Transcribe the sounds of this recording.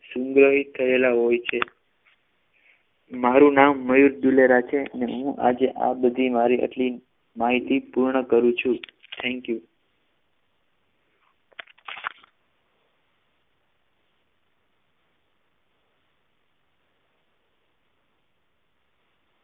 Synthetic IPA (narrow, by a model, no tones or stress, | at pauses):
sũŋɡɾəɦit̪ʰːəelaɦojt͡ʃʰe | maɾũnamːəjuɾduleɾat͡ʃʰeneɦũʔa̰d͡ʒeʔa̰bəd̪ʱimaɾiʔə̰ʈli | maɦit̪ipuɾɳəkəɾũt͡ʃʰũt̪ʰɛ̃ŋkju